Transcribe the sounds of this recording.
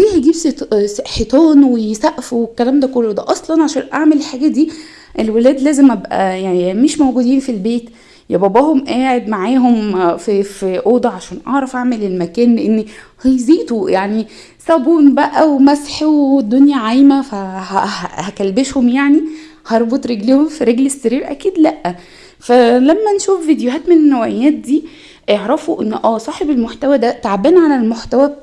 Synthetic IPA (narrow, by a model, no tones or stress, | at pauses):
iːhæɡiːbset̪ħet̪ˤɑːnwejsæʔfuekːælæːmd̪ækolːod̪æʔɑsˤlɑnʕaʃæːnʔaʕmelelħaːɡæd̪iː | ʔelwelæːd̪læːzemʔæbʔæ̰jaʕnmeʃmowɡud̪iːnfilbeːt̪ | jebæbæːhomʔæːʕed̪maʕaːɦomffiʔoːd̪ɑʕaʃæːnʔɑ̰ʕɾˤɑfʔaʕmelelmækæːnleʔenːhejziːt̪ojaʕni | sˤæbuːnbæʔæwmæsħwed̪ːonjæʕajmæfæhæhhækælbeʃhomjaʕni | hɑɾˤbot̪ˤɾeɡlehomfiɾeɡlesːeɾiːɾʔæ̰kiːd̪læʔːæ | fælæmːænʃuːfvid̪ejoɦæːt̪menenːæwæʔjːæːt̪̚d̪iː | ʔeʕɾæfoʔenːʔæːsˤɑːħebelmoħt̪æwæd̪æt̪aʕabæːnʕalælmoħt̪æwæ